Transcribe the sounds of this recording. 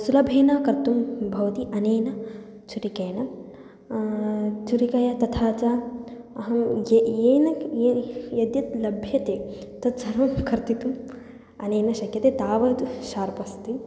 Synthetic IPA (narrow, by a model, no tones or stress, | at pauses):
sulɐbʱeːnaːkɐɾt̪umbʱɐʋɐt̪iʔɐneːnɐ | t͡ʃuɾikɐːnɐ | t͡ʃuɾikɐjɐt̪ɐt̪ʰaːt͡ʃaː | ɐɦɐeːnɐejɐd̪jɐt̪lɐbʱjɐt̪eːt̪ɐt̪sɐɾɐmkʰɐɾt̪it̪um | ɐneːnɐʃɐkʰjɐt̪eːt̪aːʋɐd̪uʃaːɾpɐst̪i